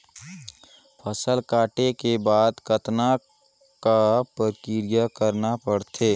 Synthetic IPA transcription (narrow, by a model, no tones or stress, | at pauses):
pʰəsəlkaːʈekebaːd̪kət̪na | kapəkɪɾijakəɾnapɐɽt̪ʰeː